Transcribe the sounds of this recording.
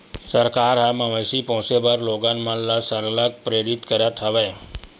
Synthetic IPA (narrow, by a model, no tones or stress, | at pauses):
səɾkaːɾɦamãʋəsipɔ̃ɦʊ̃sebəɾloːɡãnmãnlasəɾləɡ̚pɾeːɾɪt̪kəɾat̪ʰəʋeː